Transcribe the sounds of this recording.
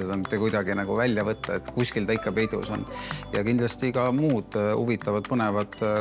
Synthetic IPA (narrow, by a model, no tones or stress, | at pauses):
ed̪ɑmit̪ːˑekujd̪̥ɑɡinɑɡ̥uvælʲːjɑvɤt̪ːɑet̪ːˑkuskilt̪ɑikˑːɑpe̞jd̪̥ṵsonjɑkind̪lɑst̪ikɑmuːd̪̥ṵvit̪ːˑɑvɑd̪̥̚pɤne̞vɑt̪ːˑ